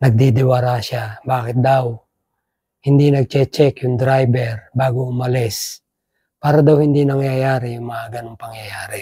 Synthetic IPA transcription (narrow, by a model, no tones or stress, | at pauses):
nɐɡ̚d̪id̪ɪwaɾaʃabaːkɪt̪̚d̪aw | hind̪inɐɡ̚t͡ʃɛt͡ʃɛkjʊŋd̪ɾajbɛɾbaːɡoʊmalɛs | paːɾad̪awhind̪inɐŋjajaːɾijʊŋmaʔaɡanʊŋpɐŋjajaːɾɪ